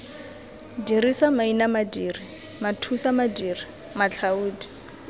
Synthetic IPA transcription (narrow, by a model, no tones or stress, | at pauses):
dirisamainamadiːri | matʰusamadiːri | mat͡ɬʰauːdi̥